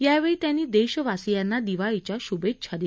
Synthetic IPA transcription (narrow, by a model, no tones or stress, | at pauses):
jaʋeɭiːt̪janːiːd̪eɕəʋasijanːad̪iʋait͡ɕjaɕubetːɕʰad̪e